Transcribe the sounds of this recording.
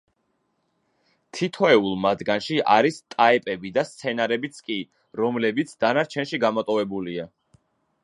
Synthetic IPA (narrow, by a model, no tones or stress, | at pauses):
t̪ʰit̪ʰɔɛulˠmad̪ɡanʃiʔaɾist̪ʼaɛpʼɛbid̪ast̪sʰɛnaɾɛbit̪sʰkʼi | ɾɔmlɛbit̪sʰd̪̥anaɾt͡ʃʰɛnʃiɡamɔt̪ʼɔvɛbulia